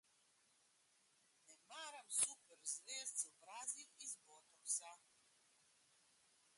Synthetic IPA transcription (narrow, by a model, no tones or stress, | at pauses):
nɛmaːɾamsuːpɛɾzʋeːst̪sɔbɾaːziwizbɔːt̪ɔksa